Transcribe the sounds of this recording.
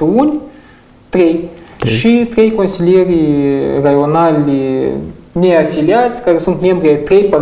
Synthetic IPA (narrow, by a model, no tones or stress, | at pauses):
unʲ | t̪ɾʲejʃɨt̪ɾʲejkonʲsʲilʲeɾʲirɐjonalʲni | nʲeɐfʲilʲiasʲkaɾʲesunt̪mʲembɾʲt̪ɾʲejpɐ